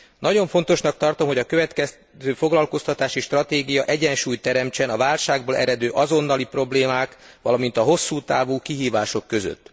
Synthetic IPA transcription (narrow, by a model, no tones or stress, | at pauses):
nɒɟo̞ɱfo̞nt̪o̞ʃnɒk̚t̪ɒrt̪o̞mɦo̞ɟɒkøvɛt̪kɛs | zøːfo̞ɡlɒlko̞st̪ɒt̪aːʃiʃt̪rɒt̪eːɡijɒʔɛɟɛnʃuːjt̪ːɛɾɛmt͡ʃɛnɒvaːlʃaːɡboːlʔɛ̰ɾɛd̪øːʔɒzo̞nːɒlipro̞bleːmaːkʋɒlɒmin̪t̪ɒɦo̞sːuːt̪aːvuːkiɦiːvaːʃo̞kːø̞zø̰t̪ː